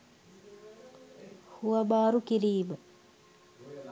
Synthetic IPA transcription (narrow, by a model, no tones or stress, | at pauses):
huʋɐbaːɾukiɾiːbə